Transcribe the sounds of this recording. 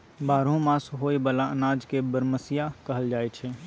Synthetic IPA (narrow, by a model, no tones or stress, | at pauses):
baːɾõmãːsɦoːibəlaənaːd͡ʒkebəɾməsijakɐɦəld͡ʒaːet͡ʃʰeː